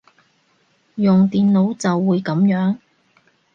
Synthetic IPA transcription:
jʊ˨ŋt̪iː˨nlo˨˥wt͡sɐ˨wːuː˨˧jkɐ˨˥mjœː˨˥ŋ

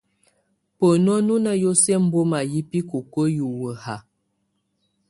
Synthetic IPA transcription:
pə˨nɔ˦nu˦na˦jo˦sɛ˦m̩˦bo˦ma˨ji˦pi˦ko˨kə˦ju˨wə˨ha˨

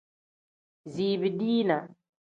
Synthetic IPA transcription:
ziː˨βi˨diː˦na˨

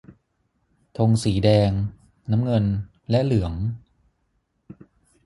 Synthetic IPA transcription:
t̪ʰo˧ŋsiː˩˦dɛː˧ŋ | naː˦˥mŋɤ˧n | lɛ˦˥ʔlɯ˩˦əŋ

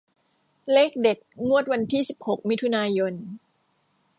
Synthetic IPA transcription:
le˦˥˩k̚de˨˩t̪̚ŋu˥˩ət̪̚wa˧nt̪ʰiː˥˩si˨˩p̚ho˨˩k̚mi˦˥t̪ʰu˧naː˧jo˧n

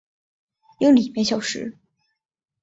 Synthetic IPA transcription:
jʊ˧˥ŋli˨˩mjɛ˧˥ɪɕ̬jɑ˨˩ʊʂɻ̩̰˧˥

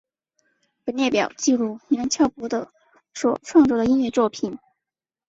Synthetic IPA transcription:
pə˨˩njɛ˥˩pjɑ˨˩ʊt͡ɕi˥˧ɻu˥˩ni˧˥ə˧˥nt͡ɕʰjɑ˥˩ʊpwɔ˧˥d̪ə˧ | ʂwɔ˨˩ʈ͡ʂʰwɑ˥˧ŋt͡sɔ˥˩d̪ə˩i˥nɥɛ˥˧t͡swɔ˥˩pʰi˨˩˦n

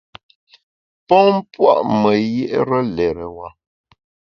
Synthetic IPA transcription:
pɔ˦ŋm˦pwa̰˦ʔmə˨je˦ʔɾə˦lɛ˨ɾə˨wa˨

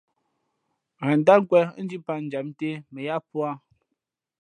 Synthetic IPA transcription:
ɣa˨n˨da˦ŋ̩˦kwɛ˦n̩˦d͡ʒi˦pa˦n̩˨d͡ʒa˨m̚n˦te˦mɛ˨ja˦pwa˦

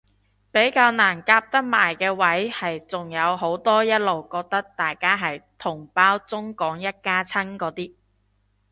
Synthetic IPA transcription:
pe˨˥jkaː˧wnaː˨˩nkaː˧p̚t̪ɐ˥k̚maː˨˩jkɛː˧wɐ˨˥jhɐ˨jt͡sʊ˨ŋjɐ˨˧wɦo˨˥wt̪ɔː˥jɐ˥t̚lo˨wkɔː˧k̚t̪ɐ˥k̚t̪aː˨jkaː˥ɦɐ˨jt̪ʰʊ˨˩ŋpaː˥wt͡sʊ˥ŋkɔː˨˥ŋjɐ˥t̚kaː˥t͡sʰɐ˥nkɔː˨˥t̪iː˥

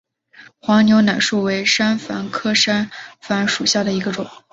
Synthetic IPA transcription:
xwɑ˧˥ŋnjo˧˥ʊna˨˩ɪʂu˥˩we˧˥ɪʂa˥nfa˧˥nkʰɤ˥ʂa˥nfa˧˥nʂu˨˩ɕja˥˩d̪ə˩i˧˥ɡə˧ʈ͡ʂʊ˨˩˦

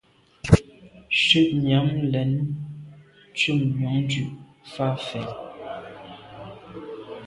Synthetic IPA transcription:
ʃʉ˦˨ʔɲja˨˦ŋlɛ˨˦n | t͡ʃu˦˨ŋɲɔ˨˦ŋdʉ˦˨ʔ | fa˦fɛ˨

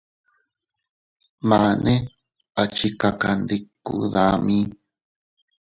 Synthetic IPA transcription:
mã˨˧nʔẽ˦ | a˨t͡ʃi˧ka˧ka˧˨nd̪i˧ku˦ða˦mĩ˦

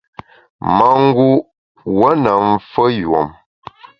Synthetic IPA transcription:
ma˨ŋ̩˦ɡu˦ | wə˦nə˨m̩˦fə˦jwo̰˨m

